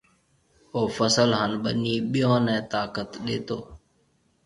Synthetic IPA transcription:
oːfəsəlɦənɓəniːɓɪjõːnɛ̃ːt̪aːkət̪ɗeːt̪oː

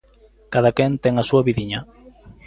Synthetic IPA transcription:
kaðakɛnt̪ɛŋasuɐβiðiɲa

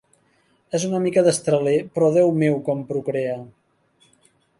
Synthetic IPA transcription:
ezunəmikəðəst̪ɾəlepɾɔðɛwmewkɔmpɾukɾeə

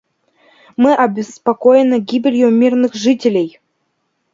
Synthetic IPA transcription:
mɨʔɐbʲɪspakojɪnːəɡʲibʲɪlʲjumʲirnɨxʐɨtʲɪlʲej

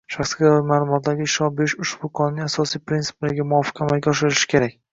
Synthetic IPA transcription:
ʃaχsɡʲad̪aɾmaːlˠʊmɒt̪̚d̪aɡʲɪʃɒbeʃʊʃb̥ʊqʰɒnɪnɪasɒsijpɾint̪sɪ̥plaɾɡʲamʊɒfɨ̥qʰamalɡʲaɒʃɪɾɪʃɪ̥kʲʰe̞ɾakʲ

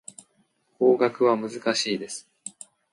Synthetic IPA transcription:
ko̞ːɡakɯ̟βamɯ̟zɨkaɕiːd̪e̞sɨ̥

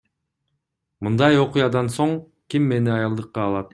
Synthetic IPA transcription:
mɯnd̪ɑjo̞qʊjɑd̪ɑnso̞ɴ | kimːe̞niɑjɑlˠd̪ɯqːɑːlˠɑt̪̚

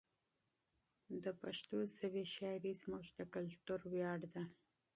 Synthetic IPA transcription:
d̪əpaʃt̪osaweʃɑjɾizmʊʒd̪əkalt̪uɾwjɑɽd̪a

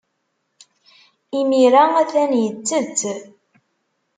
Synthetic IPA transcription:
imiɾaæθænjət͡sːət͡sː

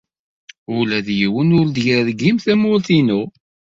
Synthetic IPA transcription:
ʊlæðjiwənʊɾd̪əʝɾæðɡimθæmʊlθinu

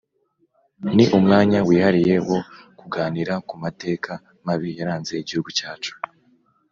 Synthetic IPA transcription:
niʔumŋaːɲawiːhaɾije̞wo̞kuɡaːniɾakumate̞ːkʰa | maβijaɾaːnze̞iɟihuɡucaːt͡ʃu̥

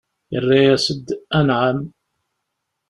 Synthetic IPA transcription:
jərːajæsəd̪ːænʕam

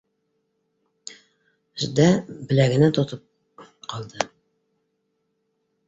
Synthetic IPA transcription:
ʒd̪æbɘ̆læɡɘ̆næt̪ŏt̪ɤp̚ | qɑlˠd̪ɤ

